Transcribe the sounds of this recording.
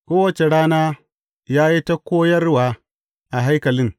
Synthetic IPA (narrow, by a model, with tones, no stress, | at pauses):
kʷoː˦wɐ˦t͡ʃe˨ɽaː˦naː˦ | jaː˦ji˦ta˦koː˦jɐ˦rwaː˦ | ʔa˨ɦa˦jkɐ˨lɪ˦ŋ